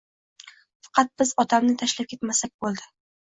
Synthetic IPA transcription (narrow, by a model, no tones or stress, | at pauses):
fɑ̥qʰɑt̪̚bɪzɒt̪ʰamnɪt̪ʰaʃlap̚kʲe̞t̪masak̚ʲbolˠd̪ɪ